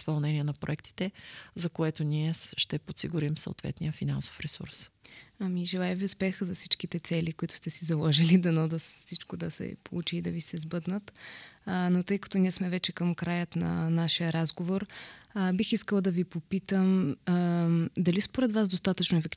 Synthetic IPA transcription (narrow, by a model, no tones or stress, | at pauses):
spɐlˠnɛniɛnɐpɾo̰ɛk̚t̪i̥t̪ɛzɐkoɛt̪oniɛʃt̪ɛpot̪siɡʊɾimso̰o̰t̪vɛ̰t̪nijəfina̰nso̥fɾɛsṵɾsɐmiʒɛlˠajɛviʊspɛxəzɐfsit͡ʃkit̪ɛt̪sɛlikoit̪ʊ̥st̪ɛsizɐlˠɔʒilid̪ɛnɔd̪əsfsit͡ʃkod̪ɐsɛ̰po̰lˠut͡ʃiːd̪ɐvisɛzbɤd̪nət̪ | not̪ɤjkɐ̥t̪ɔniɛsmɛvɛt͡ʃɛkɐmkɾajət̪nɐ̰naʃijəɾazɡovoɾbixiskəlˠd̪ɐvipopit̪əm | d̪ɐlispoɾɛd̪vazd̪ost̪at̪ət͡ʃnoɛfɛkt̪